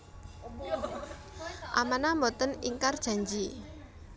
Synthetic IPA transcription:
ʔamanamɔt̪ənḭŋkard̥ʒ̥a̤ɲd͡ʒi

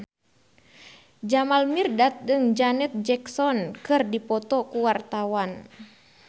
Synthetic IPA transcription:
d͡ʒamalmirdat̪̚d͡ʒəŋd͡ʒanɛt̪̚d͡ʒɛksɔnkɨrdipɔt̪ɔkuwart̪awan

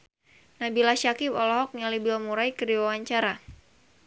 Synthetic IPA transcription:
nabilaʃakibɔlɔɦɔk̚ɲalibilmuɾajkədiwawaɲt͡ʃaɾa

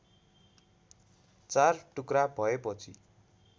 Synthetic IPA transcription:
t͡sarʈukrabʱʌepʌt͡sʰḭ

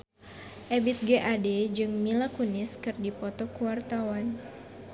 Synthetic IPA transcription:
ʔɛbit̪̚ɡeʔadɛd͡ʒɨŋmilakunɪskɨrdipɔt̪ɔkuwart̪awan

